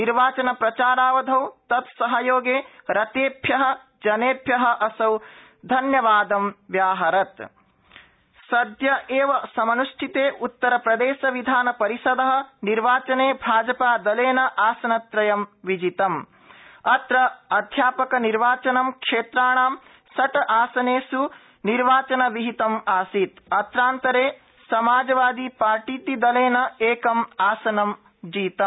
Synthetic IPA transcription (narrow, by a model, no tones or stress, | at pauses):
niɾʋaːt͡ʃɐnɐpɾɐt͡ʃaːɾaːʋɐd̪ʱɐwt̪ɐt̪sɐɦɐjoːɡeːɾɐt̪eːbʱjɐɦɐ̆ | d͡ʒɐneːbʱjɐɦɐ̆ʔɐsɐw | d̪ʱɐnjɐʋaːd̪ɐmʋjaːɦɐɾɐt̪ | sɐd̪jɐʔeːʋɐsɐmɐnuʂʈʰit̪eːʔut̪ːɐɾɐpɾɐd̪eːʃɐʋid̪ʱaːnɐpɐɾisɐd̪ɐɦɐ̆niɾʋaːt͡ʃɐneːbʱaːd͡ʒɐpaːd̪ɐleːnɐʔaːsɐnɐt̪ɾɐjɐmʋid͡ʒit̪ɐm | ɐt̪ɾɐɐd̪ʱjaːpɐkɐniɾʋaːt͡ʃɐnɐmkʂeːt̪ɾaːɳ̃aːm | sɐʈɐʔaːsɐneːsu | niɾʋaːt͡ʃɐnɐʋiɦit̪ɐmaːsiːt̪ɐt̪ɾaːnt̪ɐɾeː | sɐmaːd͡ʒɐʋaːd̪ipaːɾʈiːt̪id̪ɐleːnɐeːkɐmaːsɐnɐm | d͡ʒiːt̪ɐm